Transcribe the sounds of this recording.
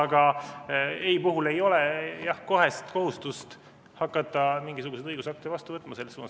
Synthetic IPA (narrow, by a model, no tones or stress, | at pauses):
ɑɡ̥ɑ | eipuɦule̞jo̞lɛjɑhko̞ɦe̞st̪ko̞ɦust̪ust̪ | hɑkːˑɑt̪ːˑɑmiŋɡisuɡ̥used̪ɤjɡ̥usɑk̚t̪id̪vɑst̪uvɤt̪ːˑmɑse̞lːesuːnɑs